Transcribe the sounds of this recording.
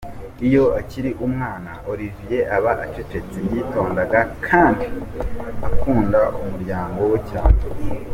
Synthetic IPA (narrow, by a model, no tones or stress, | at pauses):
ijo̞aciɾiʔumŋaːnaʔoɾivije̞ʔaβaʔat͡ʃet͡ʃe̞t͡semjiːto̞ːndaɡakʰaːndi | akʰuːndaʔumuɾɟaːŋɡo̞wecaːɲe